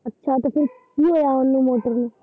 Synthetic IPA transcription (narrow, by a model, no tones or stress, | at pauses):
ətːʃʰaːt̪oːpʰɪɾkiːɦoːjaːʊnːũːmoːʈəɾnũː